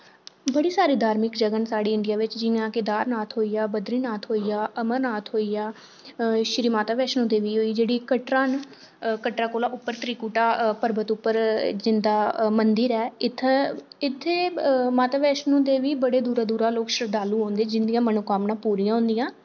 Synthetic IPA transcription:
bəɽiːsaːɾiːd̪ʱaːɾmɪkd͡ʒəɡənsaːɽiːɪɳɖɪjaːʋɪt͡ʃd͡ʒɪjãːkɪd̪aːɾnaːt̪ʰɦoːiːjaːbəd̪ɾiːnaːt̪ʰɦoːiːjaːʔəməɾnaːt̪ʰɦoːiːaː | ʃɾiːmaːt̪aːʋɛːʃnũːd̪eːʋiːɦoːiːd͡ʒeːɽiːkəʈɾãːn | kəʈɾaːkoːlaːʔʊpːəɾt̪ɾiːkuːʈaːpəɾbət̪ʊpːəɾd͡ʒɪnd̪aːmənd̪iɾɛːɪt̪ʰːɪt̪ʰːeːmaːt̪aːʋɛːʃnũːd̪eːʋiːbəɽeːd̪uːɾaːd̪uːɾaːloːkʃəɾd̪aːlũːɦõːnd̪ed͡ʒɪnd̪ijãːmənokaːmnãːpuːɾijãːɦʊ̃ːnd̪ɪjãː

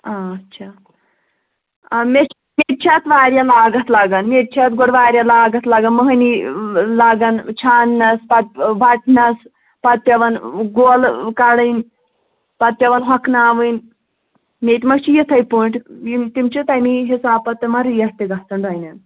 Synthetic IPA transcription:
aɐtːt͡ʃʰa | me | meʈ̪̚t͡ʃʰat̪ʋaːɾʲjalaːɡɐt̪laɡɐnmeʈ̚t͡ʃʰat̪ɡoɽʋaːɾʲjalaːɡɐt̪laɡɐnməɦnilaːɡɐnt͡ʃʰaːnːɐspɐt̪̚bɐʈʰnɐs | pɐt̪̚pʲjɐʋɐnɡoːlkaɽɨnʲ | pɐt̪̚pʲjɐʋɐnɦɐknaːʋɨnʲ | met̪ʲmɐɡt͡ʃʰijit̪ʰɐjpuɳʈit̪imt͡ʃit̪amiɦisaːpɐt̪mɐɾijɐst̪eɡat̪ɐnbajnʲɐn

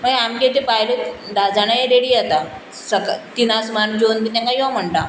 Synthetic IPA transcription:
məɡeamket̪̬epajled̪ad͡zaɽ̃ajaɾeɽiat̪a | səkat̪inasmand͡ʑont̪it̪ãŋkajoʋam̤əɳʈ̪a

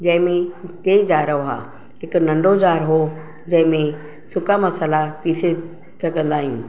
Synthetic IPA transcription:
d͡ʑɐ̃ɦɪ̃mẽt̪eːd͡ʑaːɾoɦa̰ː | ɦɪkʊnɐ̃ɳɖʱod͡ʑaːɾɦo | d͡ʑɐ̃ɦɪ̃mẽ | sʊkamɐsəlapiːse | sɐɡə̃nd̪aːɦijṵ̃ː

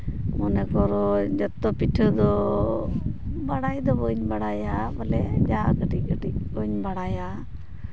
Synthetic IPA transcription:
mɔnɛkɔɾɔd͡ʒɔt̪ːɔpiʈʰəd̪ɔ | baɽajd̪ɔbɔɲbaɽajabalɛd͡ʒakəʈikəʈiɔɲbaɽaja

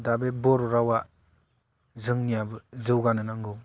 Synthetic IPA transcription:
dabebɔɾuɾawa | zɯŋnijabɯzɯwɡanɯnaŋɡɯŋ

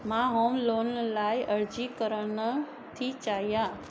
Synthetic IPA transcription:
mãɦoːmloːnlaːiʔəɾd͡ʑikəɾəɳ | t̪ʰit͡ʃaːɦijãː

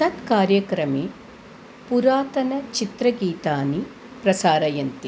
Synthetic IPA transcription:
sɐt̪kaːɾjɐkɾɐmeː | puɾaːt̪ɐnɐt͡ʃit̪ɾɐɡiːt̪aːni | pɾɐsaːɾɐjɐnt̪i

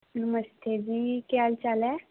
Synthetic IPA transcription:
nməst̪ʰed͡ʑiːkalt͡ɕalɛ

